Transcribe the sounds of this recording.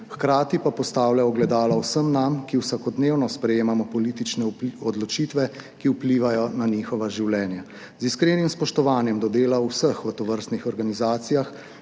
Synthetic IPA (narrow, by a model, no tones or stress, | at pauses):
xkɾaːt̪ipapɔst̪aːwlʲjaɔɡlɛd̪aːlawsəmnamkiwsakɔd̪neːwnɔspɾɛjeːmamɔpɔlit̪it͡ʃnɛɔd̪lɔt͡ʃiːt̪ʋɛkiupliːʋajɔnaniːxɔʋaʒiwlʲɛːnja | ziskɾeːnimspɔʃt̪ɔʋaːnjɛmd̪ɔd̪eːlauwsəxʋət̪ɔʋəɾst̪nixɔɾɡanizaːt̪sijax